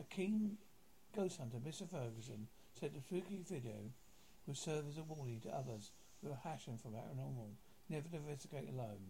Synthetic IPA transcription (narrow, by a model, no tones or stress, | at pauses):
ʔɨkʰĩːn | ɡ̥oʊsthʌ̃ntəmɪstə˞fɜ˞ɡɨsɨ̃n | sɛd̪̚ðɨtʰɹ̥ʉkivɪɾioʊ | wɨd̥sɜ˞vɨzəwɔːlˠitʰəʔʌðə˞z̥ | huə˞hæʃɪ̃ŋfə˞ðæ̰ʔɹə̃nɔmə | nɛvə˞ɾɨ̃ɱvɛstɨɡeɪɾə̰lõʊ̃n